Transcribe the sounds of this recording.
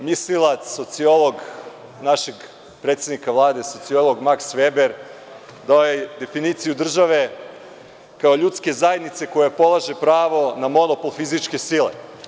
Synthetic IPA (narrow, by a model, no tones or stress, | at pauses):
mislilˠat̪sso̞t̪sio̞lˠoɡ | naʃe̞ɡ | pɾet̪sjed̪nikaʋlˠaːd̪e̞so̞t̪sio̞lˠo̞ɡmaksʋe̞ːbeɾ | d̪aojed̪e̞finit̪sijud̪r̩ʒaʋe̞ | kao̞ʎut̪ske̞zajed̪nit̪se̞ko̞jepo̞lˠaʒe̞pɾaːʋo̞namo̞nopo̞lˠfizit͡ʃke̞silḛ